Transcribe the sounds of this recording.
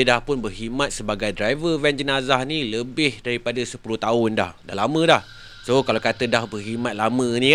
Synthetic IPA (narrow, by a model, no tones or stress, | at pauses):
ədahpʊnbərɦimãt̪̚səbaɡajdɾajvəvɛnd͡ʒənazahnĩləbɪhdaɾipadasəpuluht̪aʊnda̰hda̰hlamə̃dah | sokalawkat̪ədahbərɦimãt̪̚lamə̃nĩ